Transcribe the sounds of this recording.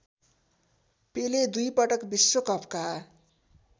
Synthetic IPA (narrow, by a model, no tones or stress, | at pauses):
peled̪ujpʌʈʌkbisːokʌpka